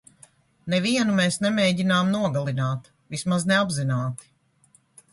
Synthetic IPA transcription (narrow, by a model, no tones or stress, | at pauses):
nɛviɛnumɛːsnɛmeːɟinaːmnuɔɡalˠinaːt̪ | vismaznɛabzinaːt̪i̥